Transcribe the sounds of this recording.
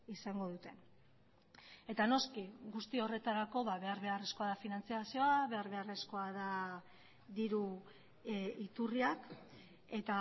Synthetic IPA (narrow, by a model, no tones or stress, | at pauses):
isaŋɡo̞ðut̪e̞n | e̞t̪ano̞skiɡust̪io̞re̞t̪aɾako̞βaβe̞aɾβe̞are̞sko̞aðafinant͡siasio̞aβe̞aɾβe̞are̞sko̞aða | d̪iɾu | it̪uriak | e̞t̪a